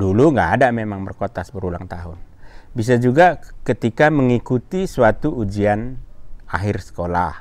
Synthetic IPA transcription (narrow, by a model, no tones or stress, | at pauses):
duluŋɡaːdamemaŋbərkot̪asbəɾulaŋt̪aɦʊnbis̬ad͡ʒuɡakət̪ikaməŋikut̪isuat̪uːd͡ʒiana̰ɦɪrsə̥kola̰h